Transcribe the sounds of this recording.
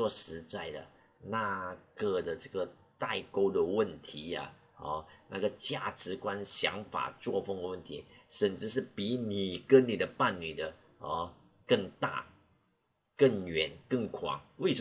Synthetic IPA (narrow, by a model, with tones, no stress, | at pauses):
wɔ˧˥˩ʂɻ̩˧˥t͡sa˥˩ɪd̪ə̰˩ | na˥˧kə˥˩d̪ə˩ʈ͡ʂɤ˥˩ɡə˩ | t̪a˥˧ɪko˥ʊd̪ə˨wə˥˩nt̪ʰi˧˥˦a̰˨ | ɔ˧˩na̰˥˩ɡə˩t͡ɕja˥˩ʈ͡ʂɻ̩˧˥kwa˥nɕjɑ̰˧˥ŋfa̰˨˩t͡swɔ˥˧fə˥˧ŋə˧wə˥˩nt̪ʰi˧˥˦ʂə˨˩nt͡sɻ̩˥˧ʂ̬ɻ̩˥˩pi˧˥ni˨˩kə˥nni˨˩d̪ə˦pa˥˩nːy˨˩d̪ə˦ | ɔ˧˩ | kə˥˧ŋt̪a̰˥˩ | kə˥˩ŋɥɛ˨˩nkə˥˩ŋkʰwɑ̰˨˩˦ŋwe˥˩ɪʂə˧˦